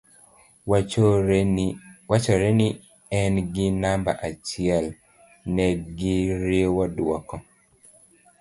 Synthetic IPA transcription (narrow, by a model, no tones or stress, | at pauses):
wat͡ʃɔɾɛni | ɛnɡɪnamba̰ʔat͡ʃiɛl | nɛɡɪɾiewɔduɔkɔ